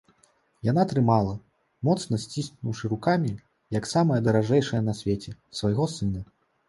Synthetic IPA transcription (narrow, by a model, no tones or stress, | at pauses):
jan̪at̪ɾɨmalˠɐ | mɔt̪sn̪ɐsʲt͡sʲisʲk̪nuwʂɨɾukamʲi | jɐksamɐjɐd̪ɐɾaʐɛjʂɐjɐnɐsʲvʲet͡sʲɛsvɐjɣɔsɨnɐ